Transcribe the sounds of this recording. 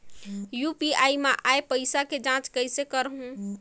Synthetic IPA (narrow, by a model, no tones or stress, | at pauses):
jupiaimeʔaepəɪsaked͡ʒãt͡ʃkəjsekəɾɦɦũ